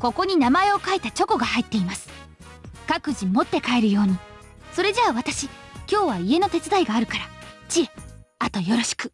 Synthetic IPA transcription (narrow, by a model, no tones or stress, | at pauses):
ko̞ko̞ɲ̟inamae̞o̞kait̪at͡ɕo̞ko̞ɡahait̪ːe̞imasɨ̥ | kakɯ̟ʑimo̞t̪ːe̞kae̞ɾɯ̟jo̞ːɲ̟i | so̞ɾe̞ʑaaβat̪aɕikʲo̞ːβaie̞no̞t̪e̞t͡sɨd̪aiɡaːɾɯ̟kaɾat͡ɕie̞ | at̪o̞jo̞ɾo̞ɕi̥kɯ̟̥